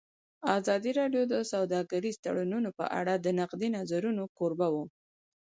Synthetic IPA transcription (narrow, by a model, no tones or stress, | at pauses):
azɑd̪iɾɑɖjod̪əsawd̪ɑɡaɾizt̪a̰ɽununopə̰ʔa̰ɽad̪ənaqd̪inazaɾunokoɾbawu